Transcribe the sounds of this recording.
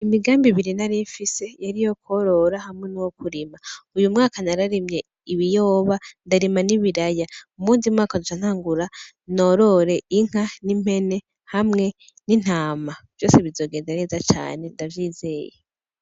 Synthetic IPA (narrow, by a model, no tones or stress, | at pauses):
imiɡaːmbiβiɾinaɾiɱfise̞jaɾijo̞ko̞ɾo̞ɾahamŋe̞nuwokuɾimaujumŋaːkanaɾaɾimɲe | iβijo̞ːβandaɾimaniβiɾajaumuːndimŋaːkadut͡ʃan̥haːŋɡuɾa | no̞ɾo̞ɾe̞ʔiŋ̥anim̥he̞ne̞ | hamŋe̞ | nin̥haːmav̥jo̞ːseβizo̞ːɡeːndeɾezat͡ʃa̰ːne̞ndavjiːzeːje